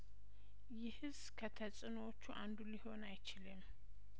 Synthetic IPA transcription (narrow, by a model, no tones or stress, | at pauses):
jɪhɨz | kʰət̪ʰəsʼɨnwot͡ʃːuʔand̪uliho̞najt͡ʃɪlɨm